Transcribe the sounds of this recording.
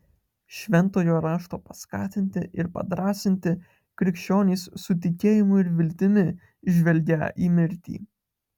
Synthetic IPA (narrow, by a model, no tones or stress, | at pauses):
ʃʲʋʲɛnˑt̪oːjoːɾɑːʃt̪oːpɐskɑ̰ːt̪ʲɪnʲt̪ʲɪʔɪɾpɐ̰d̪ɾɑːsʲɪnʲt̪ʲɪ | kɾʲɪkʃʲt͡ʃʲoːnʲiːssʊt̪ʲɪkʲeːjɪmʊɪɾʋʲɪlʲt̪ʲɪmʲɪ | ʒʲʋʲɛlʲɡʲɛ̰ʔiːmʲɪɾʲt̪ʲḭː